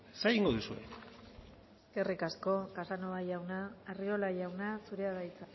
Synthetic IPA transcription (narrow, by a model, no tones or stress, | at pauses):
seɣiŋɡoðusue̞̰ | eske̞rikasko̞kasanoajawnaːrio̞lajawnasuɾeaðajt͡sa